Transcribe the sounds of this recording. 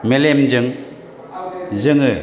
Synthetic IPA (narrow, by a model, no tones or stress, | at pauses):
melemd͡ʒɯŋ | zɯŋɯ